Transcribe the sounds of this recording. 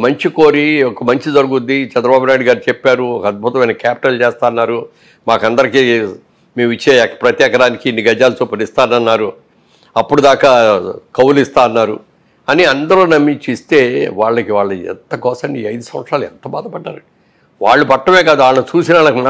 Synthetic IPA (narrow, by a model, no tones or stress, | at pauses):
mɐɲt͡ʃikoːɾiɔkːɐmɐɲt͡ʃid͡ʒɐɾuɡund̪it͡ʃɛnd̪ɾɐbaːbunaːjɽuɡaːɾit͡ʃepːaːɾuɔkɐd̪̚bʱut̪ɐmɐjnɐkaːpi̥ʈɐlt͡ʃeːst̪aːɐnːaːɾu | maːkɐnd̪ɐɾikiː | miːit͡ʃːekɐpɾɐt̪jɛːkɐɾaːnikiːnːiɡɐd͡ʒaːlut͡ʃuːpɐnist̪aːnɐnːaːɾu | ɐpːuɽud̪aːkaːkɐwulist̪aːɐnːaːɾṵ | ɐniɐnd̪ɐɾoːnɐmːit͡ʃist̪e̞ːʋaːɭːɐkiʋaːɭːɐɛ̰nt̪ɐkɔːsɐɳɖiɐjd̪usɐmʋɐt̪sɾaːluɛ̰nt̪ɐba̰ːd̪ɐpɐɖːa̰ːɾɐi | ʋaːɭːubɐʈːɐme̞ːkaːd̪uaːɭɐnut͡ʃuːsinɐɭɐk